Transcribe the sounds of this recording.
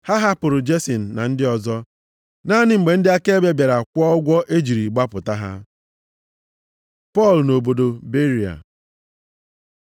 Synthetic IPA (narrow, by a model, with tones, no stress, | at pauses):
ha˦ɦa˦pʊ˨ɾʊ˨d͡ʒe˦si˨n̩˨na˨n̩˦dɪ˦ɔ˨zɔ˦ | naː˦nɪ˨ŋ͡m̩˨ɡ͡be˨n̩˦dɪ˦a˦ke˦e˦be˦bje˨ɾa˨kʷɔ˦ɔ˦ɡʷɔ˦ʔe˦d͡ʒi˨ɾi˨ɡ͡ba˦pʊ˨ta˦ɦa̰˦ | pɔ˦˨lno˨bo˨do˨be˦ɾi˨a̰˨